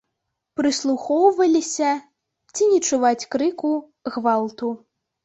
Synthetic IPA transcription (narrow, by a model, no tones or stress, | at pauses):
pɾɨslˠuxɔwvɐlʲisʲɐ | t͡sʲinʲɛt͡ʂuvat͡sʲkɾɨku | ɣvalˠt̪u